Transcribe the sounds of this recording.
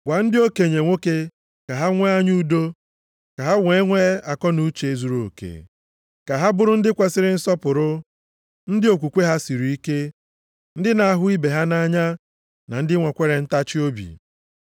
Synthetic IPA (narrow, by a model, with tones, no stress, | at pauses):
ɡʷa˨n̩˦dɪ˦o˦ke˨ɲe˨ŋʷo˦ke˦ | ka˨ɦa˦ŋʷe˦a˦ɲu˦do˦ | ka˨ɦa˦we˦ŋʷe˦a˨kɔ˦nu˦t͡ʃe˨e˦˨zu˦ɾo̰˨kḛ˨ | ka˨ɦa˦bʊ˦ɾʊ˦n̩˦dɪ˦kʷe˨sɪ˦ɾɪ˦n̩˦sɔ˦pʊ˨ɾʊ˦ | n̩˦dɪ˦o˨kʷu˨kʷe˦ɦa˦si˨ɾu˨i˦ke˦ | n̩˦dɪ˦na˨a˦ɦʊ˦i˦be˨ɦa˦na˦ɲa˦ | na˨n̩˦dɪ˦ŋʷɔ˨kʷe˦ɾe˨n̩˦ta˦t͡ʃɪ˦o˦bḭ˨